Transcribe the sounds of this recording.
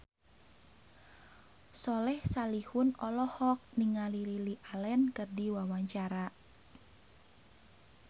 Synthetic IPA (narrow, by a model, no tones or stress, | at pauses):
sɔlɛhsalihʊnɔlɔhɔk̚niŋalililiʔalɛnkərdiwawaɲt͡ʃaɾa